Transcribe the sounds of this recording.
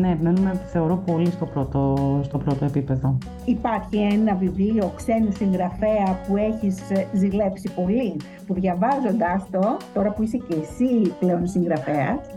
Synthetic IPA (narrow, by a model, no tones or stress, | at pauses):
neːpime̞numeθe̞o̞ɾopo̞list̪o̞pɾot̪ost̪o̞pɾot̪o̞epipe̞ðo | ipɐɾçienɐvivlio̞kse̞nisiŋɣɾɐfe̞ɐpue̞çizzile̞psipo̞li | puðʝɐvɐzo̞nd̪ɐst̪o̞t̪o̞ɾɐpuise̞ce̞siple̞o̞nsiŋɡɾɐfe̞ɐs